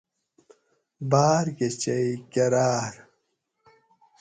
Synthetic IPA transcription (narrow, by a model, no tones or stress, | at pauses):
baːɾket͡ɕɐikɐɾaːɾ